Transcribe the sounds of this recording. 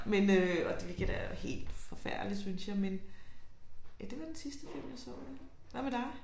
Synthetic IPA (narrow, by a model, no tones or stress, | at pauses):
menøɒ̽d̥eʋiɡ̥æd̥æɐhe̝̰ːld̥fɒ̽fæɐ̰d̥li̥synsjɑ̈ɪmen | jæd̥e̝ʋɑ̈d̥ensisd̥əfil̰mjɑ̈ɪsɔ̰ːd̥e | ʋæmed̥ɑ̈ɪ